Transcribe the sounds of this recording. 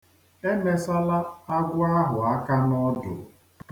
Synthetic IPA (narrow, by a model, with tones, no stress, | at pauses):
e˦me˨sa˦la˦a˦ɡʷʊ˦a˦ɦʊ˨a˦ka˦nɔ˦dʊ̰˨